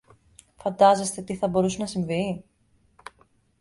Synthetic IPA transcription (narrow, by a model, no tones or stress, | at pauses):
fɐnd̪ɐze̞st̪e̞t̪iθɐbo̞ɾusenɐsiɱvi